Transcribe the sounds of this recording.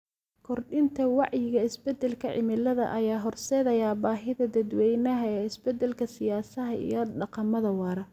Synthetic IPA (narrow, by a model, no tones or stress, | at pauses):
kʰɔrɖɪnt̪ʰɐwɑʕjɪɣɐɪsbɛd̪ɛlkʰɐʕɪ̰mɪlɐðɐ̰ʔɐjaːɦɔrsɛːðɐjaːbaːɦɪðɐd̪ɐd̪wɛjnɐɦɐɛːɪsbɛd̪ːɛlkʰɐsɪjaːsɐɦɐḭjɞɖɑqɑmɐðɐwɑːɾɐ